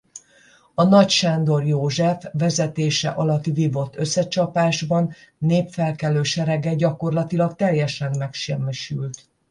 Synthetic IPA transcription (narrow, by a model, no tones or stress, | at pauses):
ɒnɒcʃaːnd̪o̞rjoːʒɛfʋɛzɛt̪eːʃɛ̰ʔɒlɒt̪ivivo̞t̪ːø̞sːɛt͡ʃɒpaːʒbɒnːeːpfɛlkɛløːʃɛɾɛɡɛɟɒko̞rlɒt̪ilɒkt̪ɛjɛʃɛmmɛkʃɛrmiʃylt̪